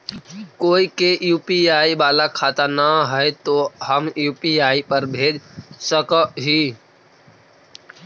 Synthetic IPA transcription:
koːikeʔjuːpiaːibaːlakʰaːt̪anəɦəet̪oːɦəmjuːpiaːipəɾbʱeːd͡ʒsəkɦiː

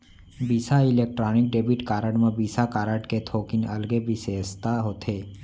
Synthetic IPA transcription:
biːsaileːk̚ʈɾaːnɪk̚ɖeːbiʈkaːɾəɖmə̃biːsakaːɾəʈket̪ʰoːkɪnɐlɡebʱiseːst̪aɦoːt̪ʰeː

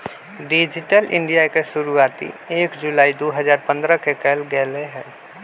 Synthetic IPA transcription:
ɖɪd͡ʒɪʈəlʔɪ̰̃ɳɖijakesʊɾuaːt̪ḭeːkd͡ʒʊlaːid̪oːɦəzaːɾpə̃nd̪ɾəkekɛːlɡɛːleɦɛ̃ː

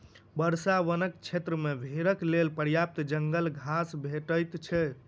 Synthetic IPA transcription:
bəɾsaʋənək̚t͡ʃʰet̪ɾəmebʱeɾəklelpəɾjap̚t̪d͡ʒəŋɡəlɡʱasbʱeʈəjt̪t͡ʃʰɛ

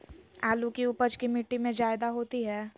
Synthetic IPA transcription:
aːlukiʊpəd͡ʒkimɪʈːimẽd͡ʒaːɪd̪aɦoːt̪iɦɛː

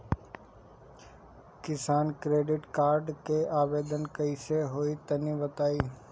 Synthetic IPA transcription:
kɪsaːnkɾeːɖɪʈkaːɾɖkeːʔaːʋeːd̪ənkəiseɦoːit̪əniːʋət̪aːiː

